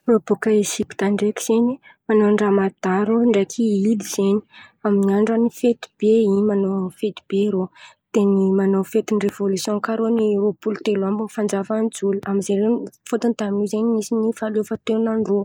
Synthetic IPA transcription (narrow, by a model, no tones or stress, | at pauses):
ob̥ukaisiki̥t̪aɳɖ͡ʐeki̥z̥enimanoɳɖ͡ʐamad̪aɾoɳɖ͡ʐekʰiid̪izeni̥aminiaɳɖ͡ʐanifet̪i̥b̥eimanofet̪i̥b̥eɾot̪enimanowfet̪inirevolusjɔ̃kaɾoniropult̪elambufand͡zavand͡zuluamizenrefot̪unt̪aminizeɲimisinifalefət̪enanɖ͡ʐo